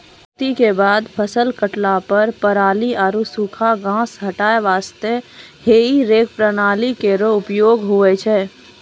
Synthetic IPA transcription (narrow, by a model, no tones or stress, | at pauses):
t̪ikebaːd̪pʰəsəlkəʈlapəɾpəɾaːliaːɾusuːkʰaɡãːsɦɐʈaːeʋaːst̪eheːiɾeːk̚pɾənaːlikeɾoʊpjoːɡɦʊet͡ʃʰɛː